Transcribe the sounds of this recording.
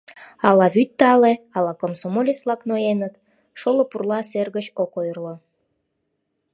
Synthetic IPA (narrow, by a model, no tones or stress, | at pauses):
ɑlɑβyt̪ːɑleɑlɑkomsomolʲislɑknojenət̪ | ʃolopurlɑserɣət͡ɕokojrlə